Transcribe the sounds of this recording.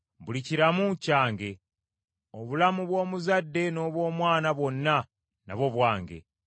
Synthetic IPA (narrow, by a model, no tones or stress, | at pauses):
βuliciɾamucaːŋɡe̞ | oβulamuβwo̞ːmuzadːe̞no̞βwo̞ːmwaːnaβwo̞nːa | na̰βo̞βwaːŋɡe̞̰